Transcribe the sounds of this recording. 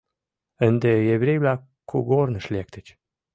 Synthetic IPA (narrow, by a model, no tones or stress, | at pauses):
ənd̪ejeβɾʲejβlʲa | kʰːuɡornə̆ʃlʲek̚t̪ət͡ɕ